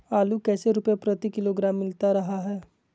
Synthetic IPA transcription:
aːlukɛːseɾʊpjapɾət̪ikɪloɡɾaːmːɪlt̪aɾɐɦaɦɛː

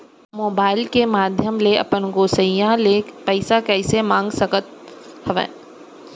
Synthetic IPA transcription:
moːbaːɪlkemaːd̪ʱjəmleɐ̰pənɡoːsəijãleːkpɛɪsakɛːɪsemãːŋɡsəkət̪̚hɐʋḛ̃ː

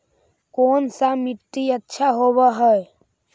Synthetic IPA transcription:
koːnsamiʈːiətːʃʰaɦoːbəɦəe

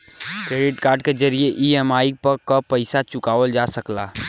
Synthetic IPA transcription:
kɾeːɖɪʈkaːɾɖked͡ʒɐɾieʔiemaːɪk̚pɐɾkapəɪsat͡ʃʊkaːʋəld͡ʒaːsəklaː

